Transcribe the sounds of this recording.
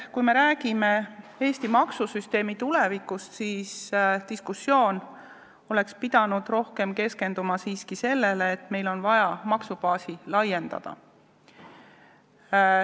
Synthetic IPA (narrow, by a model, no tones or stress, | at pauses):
kujme̞ɾæːɡ̥ime̞e̞ːst̪imɑksusyst̪e̞ːmit̪ulevikust̪siːst̪iskusːjo̞ːn | o̞le̞kspid̪̥ɑnud̪̥ro̞hke̞mke̞ske̞nd̪̥umɑsiːskise̞lːe̞leːt̪me̞jlo̞nvɑjɑmɑksupɑːsilɑje̞nd̪̥ɑ̰d̪̥ɑ̰